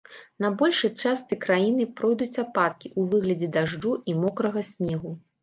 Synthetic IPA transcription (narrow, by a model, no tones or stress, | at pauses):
nɐbɔlʲʂɨt͡ʂast̪ɨkɾajinɨpɾɔjd̪ut͡sʲapat̪̚kʲiʔuvɨɣlʲɐd͡zʲɛd̪aʐd͡ʐuʔimɔkɾɐɣɐsʲnʲɛɣu